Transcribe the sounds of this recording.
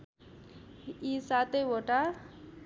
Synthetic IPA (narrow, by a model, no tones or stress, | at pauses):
isat̪ejboʈa